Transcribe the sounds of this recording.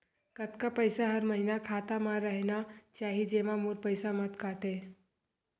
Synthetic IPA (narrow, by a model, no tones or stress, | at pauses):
kət̪kapəjsaɦəɾməɦinakʰaːt̪amãɾəɦnat͡ʃaːɦid͡ʒeʋãmuɾpəjsamət̪kaːʈe